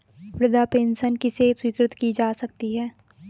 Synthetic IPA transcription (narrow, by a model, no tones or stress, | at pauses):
pɾɪd̪ʱapeːnsənkiseswiːkɾɪt̪kid͡ʒaːsɐk̚t̪iɦɛː